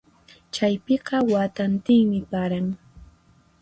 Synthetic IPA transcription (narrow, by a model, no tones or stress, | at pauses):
t͡ʃajpɪqɑwat̪ant̪ɪjmɪpaɾaŋ